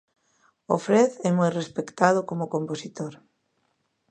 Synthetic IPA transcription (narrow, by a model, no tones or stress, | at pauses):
o̰fɾeθemujrespekt̪að̞okomokomposit̪oɾ